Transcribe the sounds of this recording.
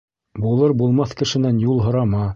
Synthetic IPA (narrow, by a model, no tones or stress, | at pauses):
bulˠɤɾbulˠmɑθkɘ̆ʃɘ̆nænjulˠɦŏɾɑmɑ